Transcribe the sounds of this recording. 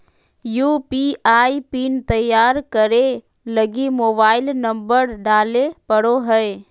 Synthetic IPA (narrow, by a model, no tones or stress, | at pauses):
juːpiaːipiːnt̪əjːaːɾkəɾe | ləɡimoːbaːɪlnɐ̃mbəɾɖaːlepəɽoɦə